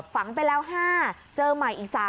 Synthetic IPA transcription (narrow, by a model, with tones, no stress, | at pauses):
p̚fa˩˦ŋpa˧jlɛː˦˥wɦaː˥˩ | t͡ɕɤː˧ma˨˩jʔiː˨˩k̚saː˨˩˦